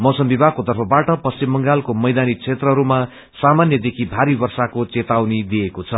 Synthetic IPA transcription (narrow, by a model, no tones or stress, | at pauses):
mʌsʌmbibʱakot̪ʌrpʰʌbaʈʌpʌsimbʌŋɡalkomʌjd̪anit͡sʰet̪rʌɦʌɾuma | samanjʌd̪ekʰibʱaɾibʌrsakot͡set̪awnid̪iekot͡sʰʌ